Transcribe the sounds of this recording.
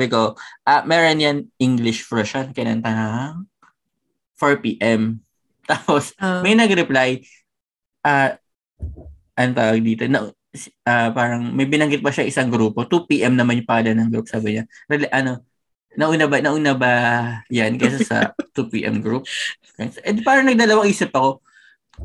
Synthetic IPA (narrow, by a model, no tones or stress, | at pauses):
bɪkoʔɐmɛːɾonjanʔɪŋɡlɪʃfɹɐʃɐnkɛnɐ̰nt̪ɐnaŋ | foɹpiːʔɛm | t̪aːposmɐjnɐɡɾɛplaj | ʔa | ʔɐnot̪aːwɐɡ̚d̪iːt̪onɐʔ | sʔapaːɾɐŋmɐjbɪnɐŋɡɪt̪̚bɐʃaŋʔɪsaŋɡɾuːpo̞t̪upiːʔɛmnɐmanpaːlɐnɐŋɡɾup̚saːbɪɲaɾɛlʔɐno̞ | nɐʔunabɐnɐʔuːnabɐjankɛsasɐ̰t̪upḭːʔɛ̰mɡɾup̚ | k̪sʔɛd̪paːɾɐŋnɐɡ̚d̪ɐlɐwɐŋʔiːsɪpɐko̞